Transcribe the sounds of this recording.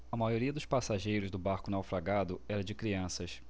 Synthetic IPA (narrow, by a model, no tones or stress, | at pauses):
ɐmajoɾiɐd̪ʊʃpasaʒejɾʊzd̪ʊbaɾkʊnawfɾaɡad̪ʊɛɾɐd͡ʒɪkɾiɐ̃sɐs